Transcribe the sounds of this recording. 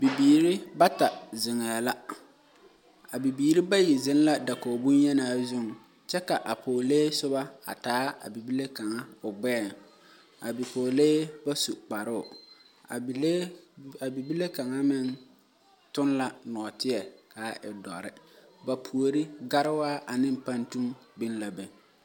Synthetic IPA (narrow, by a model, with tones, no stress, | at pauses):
bi˨biː˨ɾi˦ba˦ta˨zɪ˨ŋɛː˨la˦ | a˨bi˨biː˨ɾi˦ba˦ji˨zɪ˦n˦la˦da˨koː˨bu˦njɛ˦naː˨˦˨zʊ˦˨ŋ | t͡ʃɛ˦ka˨ʔa˨poː˨leː˦sʊ˦ba˦a̰˨taː˦a̰˨bi˨bi˦le˦ka˨ŋa˦ʊ˨ɡ͡bɛː˦˨ŋ | a̰˨bi˨kʰoː˨leː˦ba˦su˨k͡pa˨ɾʊ˦ʊ˨ | a˨˦ | a˨bi˨bi˦le˦ka˨ŋa˦mɪ˦n | tʊ˦nla˨nɔ˨ɔ˨tɪ˦ɛ˨kaː˨˦ʔɪ˨dɔ˨ɾɪ̰˦ba˨pʰu˨o˨ɾi˦ɡa˦ɾɪ˦waː˦ʔa˨nɪ˦m˦pa˦ntu˦mbi˦nla˨be˨